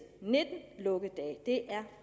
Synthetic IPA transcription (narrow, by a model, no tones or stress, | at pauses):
ned̥n̩lɔ̽ɡ̥əd̥ɛ̰ːd̥e̝ʔæɐ